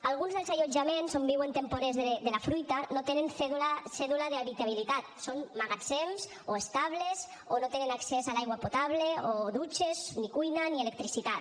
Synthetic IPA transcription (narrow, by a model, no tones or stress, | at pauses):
alɣunzðelˠzaʎod͡ʒamẽnzombiwent̪empoɾezðed̪elafɾujt̪anot̪enenfeðulasɛðulaðeaβit̪aβ̞ilit̪at̪̚sonmaɣat͡semz | oest̪aβlez | onot̪enenaksezalajɣwapot̪aβleoðut͡ʃeznikujnanielek̚t̪ɾisit̪at̪